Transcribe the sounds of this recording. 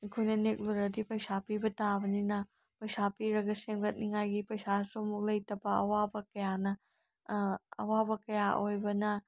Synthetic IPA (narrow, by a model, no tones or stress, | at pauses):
ikʰojnɐnek̚luɾɐdipɐjsapibɐtabɐninɐ | pɐjsapiɾɐɡɐseŋɐt̚niŋajɡipɐjsasomuk̚lɐjtɐbɐɐ̰wabɐkɐjanɐ | ɐ̰wabɐkɐjaʔojbɐnɐ